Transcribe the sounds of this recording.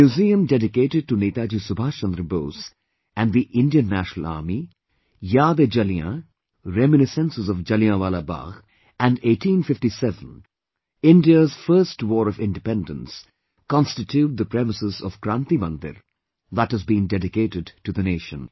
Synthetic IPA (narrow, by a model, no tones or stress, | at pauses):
mjuziːə̃mdɛɖɪkeːʈɪɖ̚ʈuneːt̪aːd͡ʒisʊbʱaːt͡ʃɛ̃nd̪ɾəboːs | æ̃nɖd̪iʔɪ̃nɖiə̃nːæʃnəla̰ːɾmi | jaːd̪ed͡ʒʌliã̰ | ɾɛmɪnɪsɛ̃nsəzɔvd͡ʒʌliãʋaːlaba̰ːɣ | æ̃nɖeːʈʰĩnfɪfʈisɛvə̃n | ɪ̃nɖiəz̥fəːsʈwɔːɾɔvɪ̃nɖɪpɛ̃ndə̃ns | kɔ̃nstɪʈʰjuʈ̚d̪əpɾɛmɪsɪzɔv̥kɾãːnt̪imʌ̃nd̪ɪ̰ɾ | ðəthəzbĩndɛɖɪkeːʈɪɖʈud̪əneːʃə̰̃n